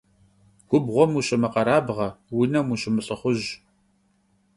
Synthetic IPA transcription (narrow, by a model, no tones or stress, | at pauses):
ɡʷʊbʁʷɔmuɕʼɪmɐqɐɾaːbʁɐwinɐmuɕʼɪmɨɬʼəχʷʊʑ